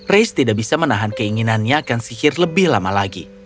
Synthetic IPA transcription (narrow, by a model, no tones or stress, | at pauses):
rejst̪idaʔbisamənaɦankəiŋinanɲaːkansihɪrləbɪhlamalaɡḭ